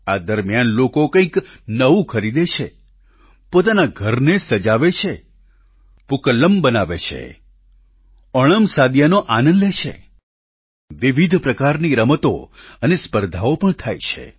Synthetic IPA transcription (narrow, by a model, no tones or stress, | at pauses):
ad̪əɾmjanlokokə̃ĩknəʋũkʰəɾid̪et͡ʃʰe | pot̪̬anaɡʱəɾnesəd͡ʒaʋet͡ʃʰe | pukələmbənaʋḛt͡ʃʰḛ | əɭ̃əmsad̪janoʔanənlet͡ʃʰḛ | ʋiʋid̪ʱpɾəkaɾniɾəmət̪o̰ənespəɾd̪ʱaopəɳt̪ʰa̰jt͡ʃʰḛ